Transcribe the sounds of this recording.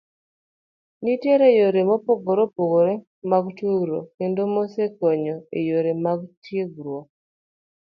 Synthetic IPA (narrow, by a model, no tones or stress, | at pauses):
niteɾejoɾemopoɡoɾopoɡoɾe | maɡutuɡuɾo̰endomosekoɲoḛjoɾemaɡutiɡuɾwo